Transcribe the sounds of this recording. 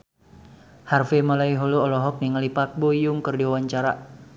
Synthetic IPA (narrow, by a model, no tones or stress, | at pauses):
harfemalaiɦoluɔlɔɦɔk̚niŋalipak̚bojʊŋkɨrdiwawaɲt͡ʃaɾa̰